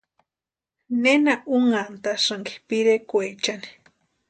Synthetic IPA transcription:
nenaʔuŋant̪asaŋki̥piɾekʷet͡ʃani̥

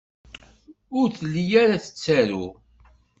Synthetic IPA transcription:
ʊɾθlːijaɾaθə̥t͡sːæɾṵ

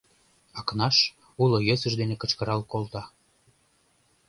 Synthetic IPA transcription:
ɑknɑʃ | ulojøsə̆ʃd̪enekət͡ɕkəɾɑlkolt̪ɑ

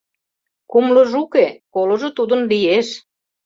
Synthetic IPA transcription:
kumloʒukekolŏʒot̪ud̪ə̆nlieʃ

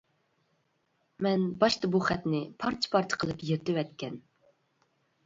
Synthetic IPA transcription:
mɛnbɑʃt̪ɑbuχɛt̪nɪpʰɑɾt͡ʃʰi̥pʰɑɾt͡ʃ̪ʰə̥qʰəlˠɨpjeɾt̪ɪwɛt̪kʲɛn

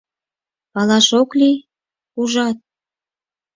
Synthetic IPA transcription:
pɑlɑʃokli | uʒɑt̪̚

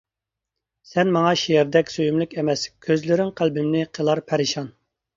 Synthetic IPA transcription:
sɛnmɑŋɑʃiɛɾd̪ɛkʲsøjymlykʲɛmɛskʲʰøzlɪɾɪŋqʰælbɪmnɪqʰəlˠɑɾpʰɛɾɪʃɑn

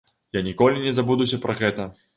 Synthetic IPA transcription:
janʲikɔlʲinʲɛzabud̪usʲɐpɾɐɣɛt̪ɐ

